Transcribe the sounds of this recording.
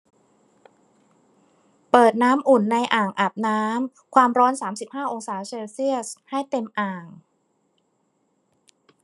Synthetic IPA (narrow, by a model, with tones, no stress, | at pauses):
pɤː˨˩t̪̚naː˦˥mʔu˨˩nːa˧jʔaː˨˩ŋʔa˨˩p̚naː˦˥m | kʰwaː˧mɾɔː˦˥nsaː˩˦msi˨˩p̚haː˥˩ʔo˧ŋsaː˩˦se˧wsi˥˩əsha˥˩jt̪e˧mʔaː˨˩ŋ